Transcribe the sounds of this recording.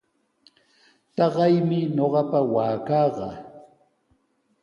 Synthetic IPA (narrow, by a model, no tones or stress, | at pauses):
t̪ɑɢɑjmɪɲoɢɑpawaːkɑːɢɑ